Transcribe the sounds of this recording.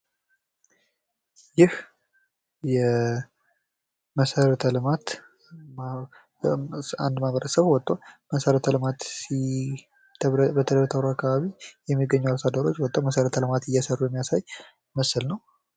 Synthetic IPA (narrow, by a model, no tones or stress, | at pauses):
jɪh | jɛ | məsəɾət̪ʰəlɨmat̪ | a̰nd̪maβəɾəsəβwɔt̪ʼːoməsəɾət̪ʰəlɨmat̪si | t̪ʰbət̪ʰəd̪əɾət̪ʰəwɾoakːaβaβijɛmːiɡəɲːuwasad̪əɾo̞t͡ʃːwɔt̪ʼːowməsəɾət̪ʰəlɨmat̪ɨjːɛsərːujɛmːijasaj | məsɨlnəw